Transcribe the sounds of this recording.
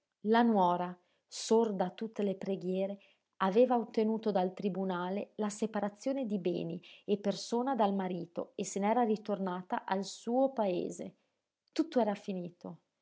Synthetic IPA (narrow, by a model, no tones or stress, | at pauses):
lanwɔːɾa | sord̪at̪ut̪ːelepɾeɡjɛːɾe | aveːvaot̪ːenuːt̪od̪alt̪ɾibunaːlelasepaɾat̪sːjoːned̪ibɛ̰ːniepːersoːnad̪almaɾiːt̪o̰esenɛːɾarit̪ornaːt̪aʔalsuːopaḛːze | t̪ut̪ːoɛːɾafiniːt̪o